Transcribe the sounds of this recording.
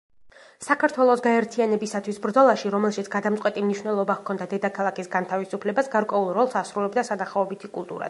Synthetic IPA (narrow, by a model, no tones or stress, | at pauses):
sakʰaɾt̪ʰwɛlˠɔsɡaɛɾt̪ʰianɛbisat̪ʰwisbɾd̪zɔlˠaʃiɾɔmɛlˠʃit̪sʰɡ̥ad̪amt̪sʼɛt̪ʼimniʃwnɛlˠɔbakʰɔnd̪ad̪ɛd̪akʰalˠakʰisɡant̪ʰavisupʰlɛbasɡaɾkʼwɛulˠɾɔlˠsasɾulɛbd̪asanaχaɔbit̪ʰikʼulˠt̪ʼṵɾa̰